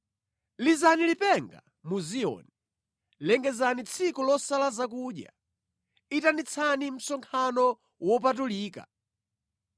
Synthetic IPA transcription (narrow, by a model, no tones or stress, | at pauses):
lizanilipɛŋɡa | muziɔ̰ni | lɛŋɡɛzanit͡sʰikulɔsalazak̬uɗja̰ | itanit͡sʰanim̩sɔŋkʰanɔ | wɔp̬at̬uliːka̰